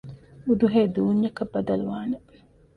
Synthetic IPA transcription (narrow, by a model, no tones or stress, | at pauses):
ud̪uɦeːd̪uːɲːɐkɐbːɐd̪ɐluʋaːne